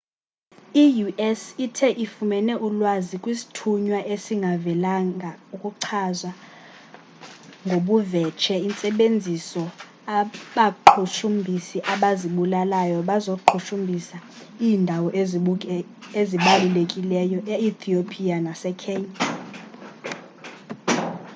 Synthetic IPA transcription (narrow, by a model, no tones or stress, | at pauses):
ijuʔɛsitʰɛʔifumɛnɛʔulwazikʼwisi̥tʰuɲwaʔesiŋɡʱavɛlaŋʱaukʼuǀʰazwa | ŋɡʱoɓuvɛt͡ʃʰɛint͡sʼɛɓend͡zʱisɔ | aɓaǃʰuʃumbʱisiʔaɓaziɓulalajɔɓazoǃʰuʃumbʱisa | iːndʱawɔʔe | eziɓalulekʼilɛjɔʔeit̪ʰiopʰʼianasɛkʰɛːɲa